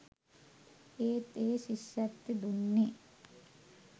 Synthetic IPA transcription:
eːt̪eːɕiɕjat̪ːid̪unːi

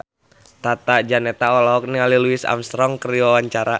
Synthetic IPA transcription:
t̪at̪ad͡ʒanɛt̪aɔlɔɦɔk̚niŋaliluɪsa̰mst̪ɾɔŋkəɾiwawaɲt͡ʃaɾa

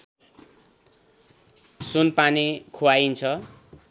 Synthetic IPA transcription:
sunpanikʰowaint͡sʰʌ

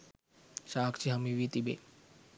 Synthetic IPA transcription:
ʃaːkt͡ʃiɦɐmiʋit̪ibḛ

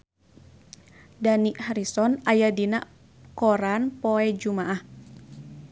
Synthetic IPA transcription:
daniʔhaɾisɔnajadina̰ʔ | kɔɾanpoɛd͡ʒumaʔah

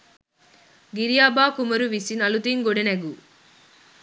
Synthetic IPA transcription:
ɡiɾijaːbaːkumɐɾuʋisinɐlut̪iŋɡoɖeneɡu

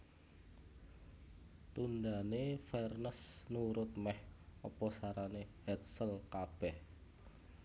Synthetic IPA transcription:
t̪und̪anefɛrnəsnuɾʊt̪̚mɛhɔpɔsaɾanehɛt̪̚səlkab̥ɛh

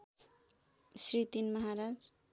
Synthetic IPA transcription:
srit̪inmʌɦaɾad͡z

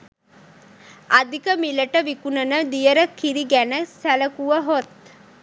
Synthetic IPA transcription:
ad̪ikəmiləʈəʋikunənəd̪ijəɾəkiɾiɡænəsæləkuʋəɦot̪̚

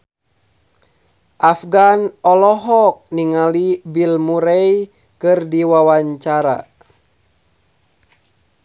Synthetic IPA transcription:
ʔafɡanɔlɔɦɔk̚niŋalibilmuɾɛj | kɨrdiwawaɲt͡ʃaɾa̰

